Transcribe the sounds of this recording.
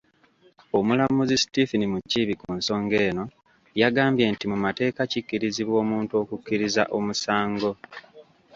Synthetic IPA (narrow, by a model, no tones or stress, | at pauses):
o̞mulamuzistifinimucːiβikuːnso̞ːŋɡe̞ːno̞ | jaɡaːmbje̞ntimumate̞ːkacikːiɾiziβwo̞ːmuːntuo̞ːkukːiɾizaʔo̞musaːŋɡo̞